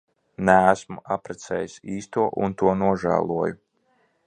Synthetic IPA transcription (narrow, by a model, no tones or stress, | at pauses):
næːsmuapɾɛt̪sɛ̰ːjisiːst̪uɔʔṵnt̪uɔnuɔʒæ̰ːlˠuɔjʊ